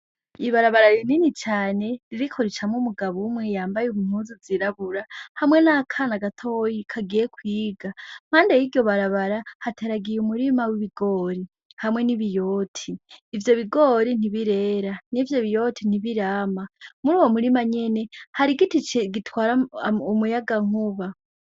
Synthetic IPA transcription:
iβaɾaβaɾaɾininit͡ʃaːne̞ɾiɾikʰo̞ɾet͡ʃamŋumuɡaβumŋe̞jaːmbajumum̥uːziziɾaβuɾahamŋe̞nakʰanaɡatʰojikʰaɡijekwiːɡam̥haːndejiɟo̞βaɾaβaɾahatʰeɾaɡijumuɾimawiβiɡo̞ːɾi | hamwŋe̞niβijo̞ːtʰiːvjo̞βiɡo̞ɾin̥iβiɾeːɾanivjo̞βijo̞tʰin̥iβiɾaːmamuɾuːwo̞muɾimaɲe̞ne̞haɾiɡitit͡ʃeɡitʰwaːɾaumujaɡaŋ̥uβa

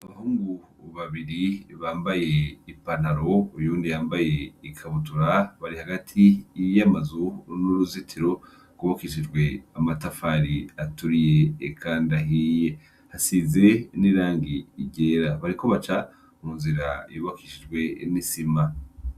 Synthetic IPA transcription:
aβahuːŋɡu | βaβiɾiβaːmbaje̞ipanaɾo̞ujuːndijaːmbaje̞ikʰaβutuɾaβaɾihaɡatʰijamazunuɾuzitʰiɾo̞ | ɡ̥uβakiʃid͡ʒɡwe̞amatafaɾiatuɾije̞ːkʰaːndaɦije | hasize̞niɾaːŋɡiːɟeːɾaβaɾiko̞βat͡ʃa | munziɾajuβakiʃid͡ʒɡwe̞nisima

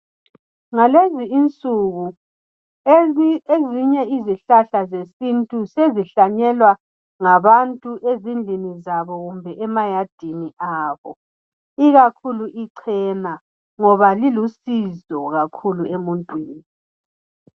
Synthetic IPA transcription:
ŋaleziːnt͡sʼuɣu | eziɲɛiziɬaɬazesintʼuseziɬaɲɛlwa | ŋaβantʼuʔezind͡ɮʱinizaβɔɣumbʱɛʔɛmajad̥ʱiniʔaːβɔ | iɣakʰuluʔiǀʰɛna | ŋɔβalilusizɔɣakʰuluemuntʼwiːni

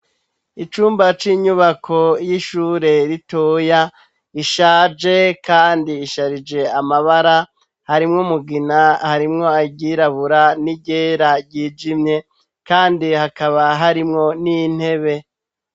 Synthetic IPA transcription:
it͡ʃuːmbat͡ʃiːɲuβakʰo̞jiʃuːɾe̞ɾitoja | iʃaːd͡ʒe̞kaːndiːʃaɾid͡ʒe̞amaβaɾa | haɾimŋomuɡinahaɾimŋo̞aɟiɾaβuɾaniɟeɾaɟiːd͡ʒimɲe̞ | kaːndihakaβaɦaɾimŋo̞nin̥he̞βe̞

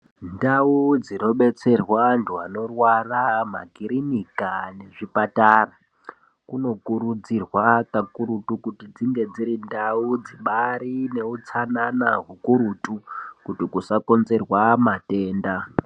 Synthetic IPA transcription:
ndaud͡zino̞ɓe̞t͡se̞rwanduano̞rwarama̰ɡʱiɾinikane̞ʐipataːra | kuno̞kuɾud͡zirwakakuɾutukutid͡ziŋɡe̞d͡ziɾindaud͡ziɓaɾine̞ut͡sananaɦukuɾutukutikusako̞nze̞rwamate̞ːnda

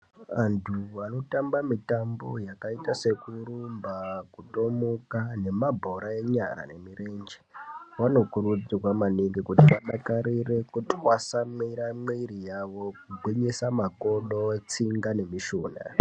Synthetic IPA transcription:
ʋantʰuano̞tambamitambo̞jakaitase̞kuɾuumbakuto̞mokane̞mabʱo̞ɾae̞ɲa̰ɾa̰ne̞miɾe̞nd͡ʒewano̞kuɾud͡zirwamaniŋɡikutipaɗakaɾire̞kutwasamiɾamwiɾijaʋo̞kuɡ͡bʱwiɲesamakoɗot͡siŋɡane̞miʃoːna̰

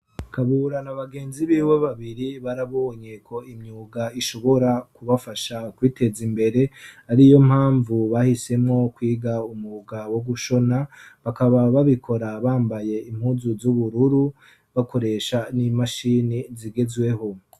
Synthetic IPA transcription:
kaβuːɾanaβaɡe̞ːnziβiweβaβiɾiβaɾaβoɲe̞kʰo̞imɲuːɡaiʃo̞βo̞ɾakuβafaʃakwiːte̞zimbe̞ɾe̞aɾijo̞m̥haːɱvuβahise̞mŋo̞kwiːɡaumuuɡawoɡuʃo̞naβakaβaβaβikʰo̞ɾaβaːmbaje̞im̥huzuzuβuɾuɾu | βakʰo̞ɾe̞ʃanimaʃiniziɡe̞zwe̞ho̞

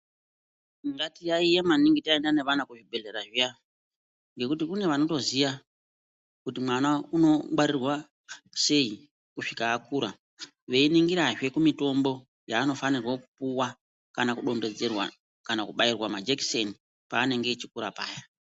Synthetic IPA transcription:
ŋɡatijaijemaniŋɡitae̞ndane̞ʋanakuʐibʱe̞ɮe̞ɾaʐija | ŋɡe̞kutikune̞ʋano̞to̞ziʋa | kutimwanauno̞ɓaɾirwa | se̞i | kuʂikaːkuɾa | ʋe̞iniŋɡiɾaʐe̞kumito̞mbo̞ | jaːno̞fanirwo̞kupuwa | kanakuɗo̞nde̞d͡ze̞rwa̰ | kanakuɓairwamad͡ʒeki̥se̞ni | paːne̞ŋɡe̞t͡ʃikuɾapaːja

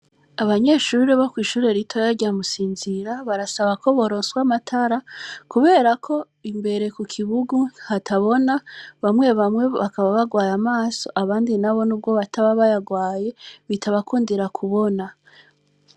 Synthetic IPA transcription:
aβaɲe̞ʃuːɾeβokwiːʃuːɾe̞ɾitʰojaɟamusiːnziɾaβaɾasaβakʰo̞βo̞ɾoːnswamatʰaɾakuβe̞ːɾakʰo̞ | imbe̞ɾe̞kukʰiβuɡuhatʰaβo̞naβamŋe̞βamŋe̞βakaβaβaɡwaːjamaːso̞ʔaβaːndinaβo̞nub̚ɡo̞βatʰaβaβajaɡwaːje̞βitʰaβakʰuːndiɾakʰuβo̞na

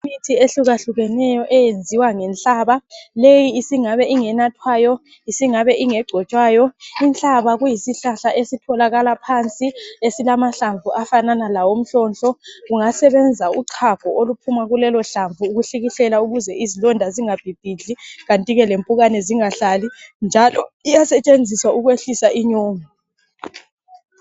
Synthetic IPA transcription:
mitʰieɬuɣaɬuɣɛnɛjɔʔɛjend͡zʱiwaŋɛnt͡ɬʼaβalejiːsiŋaβɛʔiŋɛnatʰwaːjɔ | isiŋaβɛʔiŋɛɡ͡ǀʱɔt͡ʃʼwaːjɔint͡ɬʼaβaɣujisiɬaɬaʔesitʰɔlaɣalapʰant͡sʼiesilamaɬaɱvuʔafananalawom̩ɬɔnt͡ɬʼɔɣuŋasɛβɛnd͡zʱauǃʰapɔʔolupʰumaɣulɛlɔɬaɱvʱuːɣuɬiɣiɬɛlauɣuzɛizilɔndʱaziŋab̥ʱib̥ʱiɮiɣantʼiɣɛlempʼuɣanɛziŋaɬalind͡ʒʱalɔijasɛt͡ʃʼend͡zʱiswauɣweɬisaʔiɲoːmi

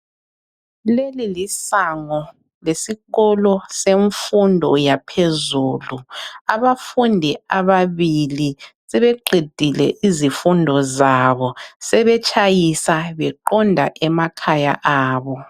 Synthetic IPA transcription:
lelilisaŋɔ | lesiɣɔlɔseɱfundʱɔjapʰezuːluaβafundʱiaβaβilisɛβɛǃid̥ʱilɛ̰ʔizifundʱɔzaβɔsɛβɛt͡ʃʼajisaβɛǃɔndʱaʔɛmakʰaja̰ʔaːβɔ

